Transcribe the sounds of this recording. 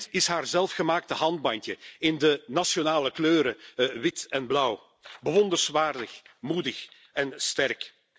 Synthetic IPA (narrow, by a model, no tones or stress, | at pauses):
tɪsɦaːrzɛlˠfxəmaːk̚təɦɑnd̚bɑntəɪndənɑsjonaːləkløːɾəʋɪtɛnblʌw | bəʋɔndərsʋaːrdəxmudəx | ɛnstɛrk